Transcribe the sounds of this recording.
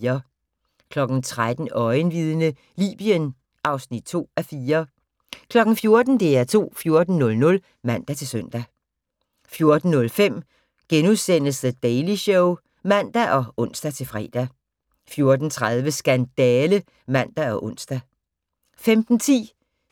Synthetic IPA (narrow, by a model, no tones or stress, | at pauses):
ɐ | kʰlɒ̽ɡ̥n̩t͡sʰʁad̥n̩ɒ̽ɪnʋið̞ˠənə | lḭːb̥iən | ʔɑ̈ʊsnid̥̚t͡sʰo̝̰ːæfiːɐ | kʰlɒ̽ɡ̥n̩fjo̝ɐd̥n̩d̥e̝æɐt͡sʰo̝̰ːfjo̝ɐd̥n̩nɔ̽lnɔ̽l | mæn̰d̥æt͡sʰe̝lsœn̰d̥æ | fjo̝ɐd̥n̩ːɔ̽lfem̰ | ɡ̥enuðˠsen̰əsd̥əd̥ɛɪliɕɔʊ | mæn̰d̥æʔɒ̽ʔɔ̽n̰sd̥æt͡sʰe̝lfʁɛ̰ːd̥æ | fjo̝ɐd̥n̩t͡sʰʁaðˠʋəsɡ̥ænd̥ɛːlə | mæn̰d̥æɒ̽ʔɔ̽n̰sd̥æ | femd̥n̩t͡sʰḭː